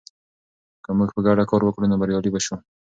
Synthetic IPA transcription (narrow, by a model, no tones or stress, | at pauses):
kəmuɡpəɡaɽakɑɾwəkɽunobaɾjɑlibaʃu